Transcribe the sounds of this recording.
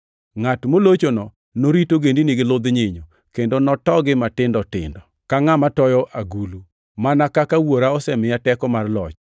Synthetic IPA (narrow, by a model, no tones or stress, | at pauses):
ŋatmolot͡ʃonɔ | noɾitoɡendinɪɡɪlʊd̪ɲɪɲo | kendonɔtɔɡɪmatɪndɔtɪ̰ndɔ | kaŋamatɔjɔʔʔaɡulu | manakakawoɾaɔsɛmɪjatɛkɔmarlɔ̰t͡ʃ